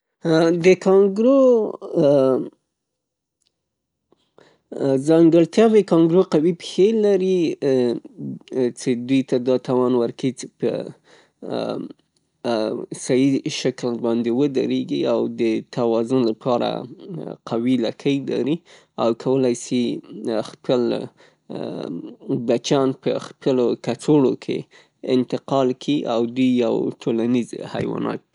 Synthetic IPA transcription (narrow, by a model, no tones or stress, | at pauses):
d̪əkʰɑŋɡɾo | zɑŋɡəɽt̪jɑbekɑŋɡɾoqawipxelaɾi | t͡ʃed̪ujt̪ad̪ɑt̪awɑnwəɾkait͡ʃe̥pə̰ | sajiʃaklbɑnd̪ewəd̪a̰ɾeɡiawd̪ət̪ʰawɑzʊnlapʰɑɾa̰qʰawilakʰəjla̰ɾi | awkʰawəlajsixpʰəl | bat͡ʃɑnpəxpəlokat͡soɽokʰḛ | ɪnt̪ɪqɑlkʰiʔawd̪ujːawʈʰolanizha̰jwɑ̰nɑ̰t̪̚i